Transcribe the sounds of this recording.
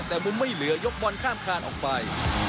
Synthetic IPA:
t̪ɛː˨˩mu˧nma˥˩jlɯ˩˦ɐjo˦˥k̚wɔ˧nkʰaː˥˩mkʰaː˧nʔɔː˨˩k̚pa˧j

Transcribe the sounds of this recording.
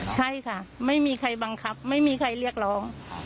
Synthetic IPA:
t͡ɕʰa˥˩jkʰa˥˩ma˥˩jmiː˧kʰa˧jba˧ŋkʰa˦˥p̚ma˥˩jmiː˧kʰa˧jɾi˥˩ək̚ɾɔː˦˥ŋ

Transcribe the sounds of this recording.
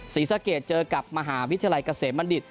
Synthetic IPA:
siː˨˩˦sa˧keː˨˩t̪̚t͡ɕɤː˧ka˨˩p̚ma˧ɦaː˩˦wt̪ʰi˧a˧jka˧seː˨˩t̪̚ma˧ndi˨˩t̪̚

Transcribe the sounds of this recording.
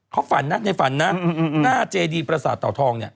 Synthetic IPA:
kʰɔː˦˥wfa˩˦nːa˦˥na˧jfa˩˦nːa˦˧naː˦˥˩t͡ɕeː˧diː˧pɾa˧sa̰ː˨˦t̪ːɔː˨˩t̪ʰɔː˧ŋni˥˩ɐ

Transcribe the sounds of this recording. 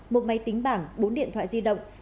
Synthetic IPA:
mo˨˩t̚ma˨˦jt̪ï˨˦ŋ̟ɓaː˧˩ŋɓo˨˦nɗḭ˧˨ənt̪ʰwa̰ː˧˨zi˧ɗə̰˧˨wŋ͡m

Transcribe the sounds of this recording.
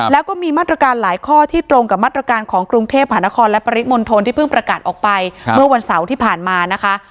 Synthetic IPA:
lɛː˦˥wkɔː˥˩miː˧maː˥˩t̪ɾa˧kaː˧nlaː˩˦jkʰɔː˥˩t̪ʰiː˥˩t̪ɾo˧ŋka˨˩p̚maː˥˩t̪̚ːɾa˧kaː˧nkʰɔː˩˦ŋkɾu˧ŋt̪ʰeː˥˩p̚ma˧ɦna˦˥kʰɔː˧nlɛ˦˥pa˧ɾi˦˥t̪̚mo˧nt̪ʰo˧nt̪ʰiː˥˩pʰɯ˥˩ŋpɾa˧kaː˨˩t̪̚ʔɔː˨˩k̚pa˧jmɯ˥˩ɐwa˧nsa˩˦wt̪ʰiː˥˩pʰaː˨˩nmaː˧na˦˥kʰa˦˥ʔ

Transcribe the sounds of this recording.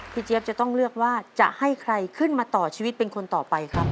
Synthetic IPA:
pʰi˧˩t͡ɕi˧e˦˥p̚t͡ɕa˨˩t̪ɔ˥˩ŋlɯ˥˩ək̚waː˥˩t͡ɕa̰˨˩ʔha˥˩jkʰɾa˧jkʰɯ˥˩nmaː˧t̪ɔː˨˩t͡ɕʰiː˧wi˦˥t̪̚pe˧nkʰo˧nt̪ɔː˨˩pa˧jkʰɾa˦˥p̚

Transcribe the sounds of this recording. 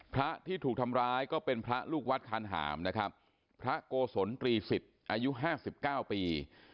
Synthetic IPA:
pʰɾa˦˥ʔt̪ʰiː˥˩uː˨˩k̚t̪ʰa˧mɾaː˦˥jkɔː˥˩pe˧npʰɾa˦˥luː˥˩k̚wa˦˥t̪̚kʰaː˧nɦa̰ː˩˦mna˦˥kʰɾa˦˥p̚ʰ | ɾa˦˥ʔkoː˧so˩˦nt̪ɾiː˧fi˨˩t̪̚ʔaː˧ju˦˥ʔɦaː˥˩si˨˩p̚kaː˥˩wpiː˧

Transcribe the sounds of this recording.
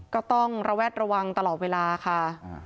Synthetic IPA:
kɔː˥˩t̪ɔ˥˩ŋɾa˧wɛː˥˩t̪̚ɾa˧wa˧ŋt̪a˧lɔː˨˩t̪̚weː˧laː˧kʰa˥˩

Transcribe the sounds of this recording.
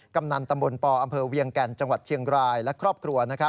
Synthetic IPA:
ka˧mna˧nt̪a˧mbo˧npɔː˧ʔa˧mpʰɤː˧wi˧əŋkɛː˧˩nt͡ɕa˧ŋwa˨˩t̪̚t͡ɕʰi˧əŋɾaː˧jlɛ˦˥kʰɾɔː˥˩p̚kʰɾu˧ɐna˦˥kʰa˦˥p̚

